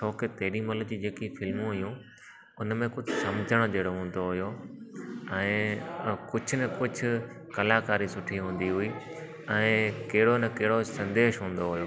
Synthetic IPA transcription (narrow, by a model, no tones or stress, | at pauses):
t͡ɕʰɔːket̪ɐɦɪɗĩmɐt̪ləbd͡ʑiːd͡ʑeːkifɪlmũɦʊjũ | ʊnmẽkʊd͡ʑʱʊsɐmd͡ʑʱəɽ̃d͡ʑɐːɽoɦũːn̆d̪oɦʊjo | ɛ̃ː | kʊd͡ʑʱʊ̆nɐkʊd͡ʑʱʊ̆ | kɐlaːkaːɾisʊʈʰiɦũːn̆d̪iɦʊiː | ɛ̃ːkɐɦɪɽonɐkɐɦɪɽosɐ̃nd̪eːʃɦũːn̆d̪oɦʊjoː